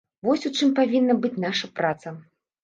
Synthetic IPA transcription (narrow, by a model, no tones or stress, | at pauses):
vɔsʲut͡ʂɨmpavʲinːɐbɨt͡sʲnaʂɐpɾʔat̪sɐ